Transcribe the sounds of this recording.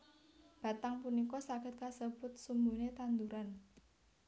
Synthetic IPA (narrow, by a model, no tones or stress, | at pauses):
b̥ä̤t̪aŋpunikɔsaɡ̥ə̤t̪̚kasəb̥ʊt̪̚sumbunet̪and̪uɾan